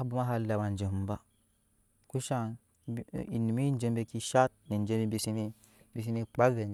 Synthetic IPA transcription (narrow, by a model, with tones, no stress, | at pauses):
bu˦ma˦ɦa˦la˨wa˨nd͡ʒe˨m˦ba˦ | ku˦ʃa˦n | ḭ˨ni˨mi˦n˦d͡ʒe˦mbe˦ki˦ʃa˦t̚ni˨n˨d͡ʒe˦bi˦bi˨si˦ni˦ | bi˨s̬i˦ni˦k͡pa˦ve˨